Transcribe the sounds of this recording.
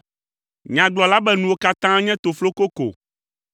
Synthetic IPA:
ɲã˨ɡ͡blɔ˨la˦bɛ˦nũ˨wo˦ka˦t̪ã˦ɲɛ̃˦t̪o˨flo˦ko˦ko̰˨

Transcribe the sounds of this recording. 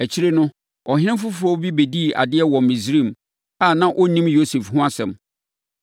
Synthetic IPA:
æ˨t͡ɕʰi˦ɾe˦nʊ̃˦ | ɔ˨ɦɪ̃˦ñɪ̃˦mfʊ˦fʊ˨ɔ˦bi˦be˨di˦˨a̰˨dɪ˦ɛ˦wɔ̃˨mĩ˨sɾĩ˦˨m | a˦˨nã˦ʔɔ˦nĩ˦mjo˦se˨fɦʊ̃˦a˦sɛ̰̃˨m

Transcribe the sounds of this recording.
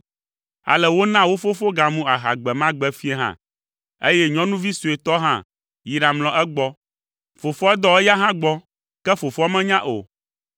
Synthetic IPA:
a̰˨lɛ˨wo˦nã˦wo˦fo˦fo˦ɡa˨mũ˦a˨ɦa̰˨ɡ͡bɛ˨mã˦ɡ͡bɛ˦fi˦e˦ɦã̰˦ | ḛ˦jɛ˦ɲɔ̃˦nũ˦vi˦su˨e˨t̪ɔ˦ɦã̰˦ | ji˨ɖa˨ml̃ɔ̃˨ʔɛ˦ɡ͡bɔ˦ | fo˨fɔ˦ɛ˦d̪ɔ˦ɛ˦ja˦ɦã˦ɡ͡bɔ˦ | kɛ˦fo˨fɔ˦a˦mɛ̃˦ɲã˦ʔo̰˨

